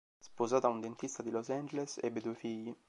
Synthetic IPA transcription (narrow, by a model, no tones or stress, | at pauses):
spozaːt̪aund̪ent̪ist̪ad̪ilosand͡ʒelesɛ̰bːed̪uefiʎːi